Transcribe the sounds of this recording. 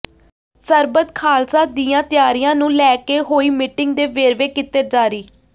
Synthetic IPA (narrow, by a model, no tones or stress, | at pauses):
səɾbət̪kʰaːlsaːd̪iːjãːt̪ɪjaːɾijãːnũːlɛːkeːɦoːiːmɪʈɪŋɡ̚d̪eːʋeːɾʋeːkɪt̪eːd͡ʒaːɾiː